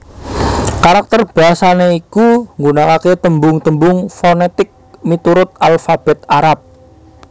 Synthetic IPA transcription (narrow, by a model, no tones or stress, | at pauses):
kaɾak̚t̪ərb̥aɦasaneikuŋɡunakaket̪əmbʊŋt̪əmbʊŋfonet̪ɪk̚mit̪uɾʊt̪̚alfab̥ɛt̪̚aɾap̚